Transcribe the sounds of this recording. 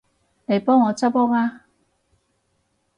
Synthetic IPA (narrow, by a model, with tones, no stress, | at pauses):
ne˨˧jpɔː˥ŋːɔː˨˧t͡sɐ˥pɔː˥ŋaː˧